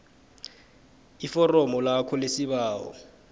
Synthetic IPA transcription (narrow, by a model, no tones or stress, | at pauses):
ifɔrɔmɔlakʰɔlesibaːwɔ̰